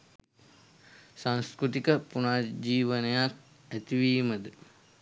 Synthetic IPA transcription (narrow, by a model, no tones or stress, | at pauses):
sãŋskɾut̪ikəpunaːd͡ʑiːʋənəjak̚ | æt̪iʋiːməd̪ə